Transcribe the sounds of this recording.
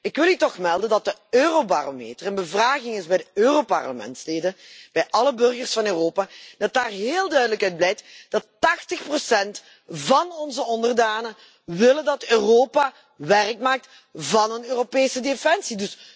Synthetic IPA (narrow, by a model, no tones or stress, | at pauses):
ɪkʋɪlˠytɔxmɛlˠdəndɑt̚dəøːroba̰ːromḛːtərənbəvraːɣɪŋɪzbɛjdəøːropɑ̰rləmɛ̰ntsleːdəb̥ɛjʔɑləbɵrɣərsfɑnøːroːpaːd̥ɑt̚daːrɦeːlˠdœɥdələkœɥd̚blɛjtd̥ɑtːɑxtəxprosɛnt | vɑnɔnzəɔndərdaːnə | ʋɪləndɑtøːroːpaː | ʋɛrkmaːk̚t | vɑnənøːropeːsədefɛnsidɵs